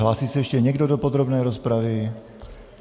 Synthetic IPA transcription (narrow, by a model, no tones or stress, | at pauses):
ɦlaːsiːsɛɛʃcɛɲɛɡdodopod̪ɾobnɛːjɾospɾavɪ